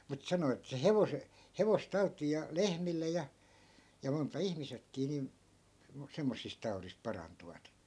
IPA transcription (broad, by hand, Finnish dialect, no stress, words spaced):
mut sɑno etːæ se heʋose heʋostɑu̞tˑiːj̆ jɑ lehmilːe jɑ jɑ montɑ ihmisekːiː niˑn sem semːosːist tɑurisp̆ pɑrɑntuʋɑt